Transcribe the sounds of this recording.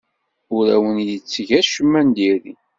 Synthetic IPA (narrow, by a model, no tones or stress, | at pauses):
ʊɾæwənjit͡sːʝæʃəmːænd̪iɾi